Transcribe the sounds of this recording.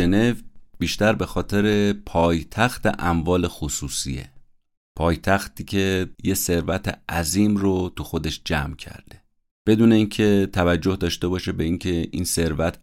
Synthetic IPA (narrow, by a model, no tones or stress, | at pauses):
ene̞vbiːʃt̪æɾbe̞xɒːt̪ʰe̞ɾe̞pʰɒːjt̪ʰæxt̪ʰḛʔæmvɒːlexosuːsḭjḛ | pʰɒːjt̪ʰæxt̪iːcʰe̞jese̞ɾvæt̪ʰeæziːmrot̪uxo̞d̪e̞ʃd͡ʒæmcʰæ̰ɾd̪̥e̞ | b̥e̞d̪uːne̞iːncʰe̞t̪ʰævæd͡ʒːo̞hd̪ɒːʃt̪e̞bɒːʃebe̞iŋcʰe̞ḭnse̞ɾvæt̪ʰ